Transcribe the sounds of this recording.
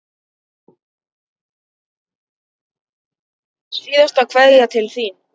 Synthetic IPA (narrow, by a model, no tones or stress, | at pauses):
siːðast̪akʰvɛðat̪ʰɪlθin